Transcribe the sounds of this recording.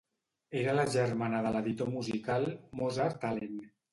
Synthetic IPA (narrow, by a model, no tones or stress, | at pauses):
eɾalaʒəɾmanaðəlaðit̪omuzikalmozaɾt̪alen